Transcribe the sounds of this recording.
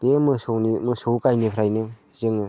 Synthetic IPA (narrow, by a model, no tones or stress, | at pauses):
pemɯsonmɯsowkajnipʰɾajnɯ | zɯŋɯ